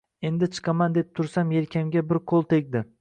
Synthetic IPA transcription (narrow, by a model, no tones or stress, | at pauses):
e̞nd̪ɪt͡ʃʰɨ̥qʰɑmand̪ep̚t̪ʰʊɾsamjelkʲʰamɡʲabɪɾqʰolˠt̪ʰe̞kʲd̪ɪ